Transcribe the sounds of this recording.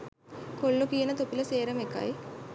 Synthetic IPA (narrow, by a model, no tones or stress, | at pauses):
kolːukijənət̪opiləseːɾəmeka̰j